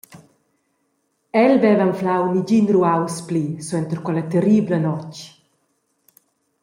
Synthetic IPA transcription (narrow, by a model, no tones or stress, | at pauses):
ɛlvɛvanflawniɟinɾuawsplisuɛnt̪əɾkwɛlət̪ɛriːblənɔc